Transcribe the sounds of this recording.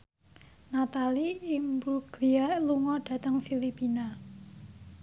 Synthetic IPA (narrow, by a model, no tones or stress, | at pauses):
nat̪aliimbuɡ̥lialuŋɔɖ̥ä̤t̪əŋfilipina